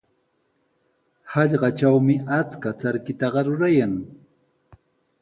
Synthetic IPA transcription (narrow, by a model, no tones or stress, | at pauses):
hɑʎɢɑt͡ʃawmɪʔat͡skat͡saɾkɪt̪ɑɢɑɾʊɾajaŋ